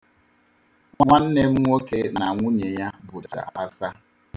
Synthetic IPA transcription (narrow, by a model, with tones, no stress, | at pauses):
ŋʷŋʷa˦n̩˦ne˦m̩˦ŋʷo˦ke˦na˨ŋʷʊ˦ɲe˨ja˦bʊ˨t͡ʃa̰˨a˦sa˦